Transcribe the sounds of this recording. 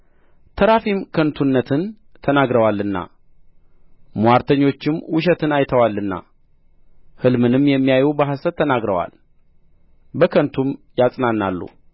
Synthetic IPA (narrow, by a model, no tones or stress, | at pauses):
t̪ʰəɾafimkʰənt̪ʰunːət̪ʰɨn | t̪ʰənaɡɾəwalːɨnːa̰ | mwaɾt̪ʰəɲːo̞t͡ʃːɪmwʊʃ̬ɛt̪ʰɨnajt̪ʰəwalːɨnːa̰ | hɨlmɨnɨmjɛmːijajubəɦasət̪ʰːənaɡɾəwa̰l | bəkʰənt̪ʰumjasʼnanːalːṵ